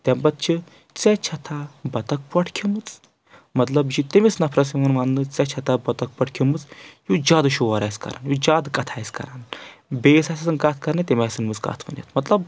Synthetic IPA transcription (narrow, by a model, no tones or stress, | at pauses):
t̪ʲɐmbɐt̪̚t͡ʃʰi | t͡sɛt͡ʃʰɐt̪ʰaːbɐt̪ɐk̚pɐʈʰkʰimɨt͡s | mɐt̪lɐbd͡ʒit̪imisnɐpʰɾɐs̬iʋɐnʋaːnːɨt͡sɛt͡ʃʰɐt̪ʰaːbɐt̪ɐk̚pɐʈʰkʲʰimɨt͡sjud͡ʒaːd̪ɨʃoʋɐɾaːjskɐ̰ɾa̰ːnjud͡ʒaːd̪kɐt̪ʰaːjskɐ̰ɾanbeːsaːsʰʲɐsɨnkaːt̪ʰkɐɾnɨt̪emʲaːsɨnmɨt͡ska̰ːt̪ʰʋɐ̰njɐ̰t̪mɐt̪lɐb̚